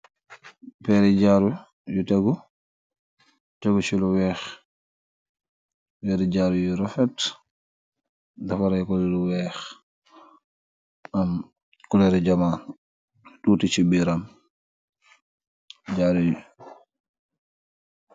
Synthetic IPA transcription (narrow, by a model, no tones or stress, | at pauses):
pɛɾɛd͡ʒaɾu | jutaɡɔ | taɡusiluwɛx | wɛɾɛɟaɾujuɾɔfɛt | dafaɾajkɔlɛluwɛːx | am | kulɛɾɛd͡ʒaman | ɗuːtit͡ʃibiɾam | d͡ʒaɾuju